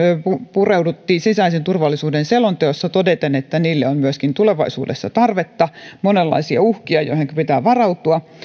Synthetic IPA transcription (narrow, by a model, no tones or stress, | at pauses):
øpupureudut̪ːiːsisæisent̪urʋɑlːˑisuːdenselont̪eosːɑt̪odet̪enet̪ːæniːlːeommyøskint̪uleʋɑisṵːdesːɑ̰t̪ɑrʋet̪ːɑmonelːɑ̰isiɑ̰uhkiɑjo̰iheŋkøpit̪æːʋɑrɑut̪uɑ